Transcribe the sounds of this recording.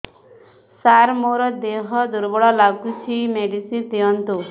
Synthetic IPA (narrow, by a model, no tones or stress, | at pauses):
saɾmoɾɔd̪eɦɔd̪uɾbɔɭɔlaɡut͡ʃʰimeɖisit̪iɔnt̪u